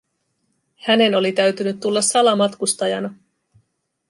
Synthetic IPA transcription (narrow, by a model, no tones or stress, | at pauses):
hæne̞no̞lit̪æɥt̪ynyt̪ːulːɑsːɑlɑmɑt̪kust̪ɑjɑnɑ